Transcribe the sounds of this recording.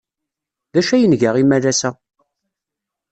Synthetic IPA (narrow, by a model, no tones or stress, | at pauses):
ðæʃæjənʝaʁimælæsæ